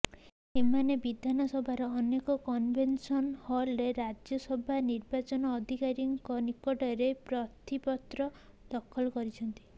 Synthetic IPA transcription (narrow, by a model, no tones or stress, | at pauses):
emanebid̪ʱanɔsɔbʱaɾɔːnekɔkɔnbʱensɔnhɔlɾeɾad͡ʒjɔsɔbʱaniɾbat͡ʃɔnɔːd̪ʱikaɾiŋkɔnikːɔʈɔɾepɾɔt̪ʰipɔt̪ɾɔd̪̥ɔkʰɔlɔkɔɾit͡ʃʰɔnt̪i̥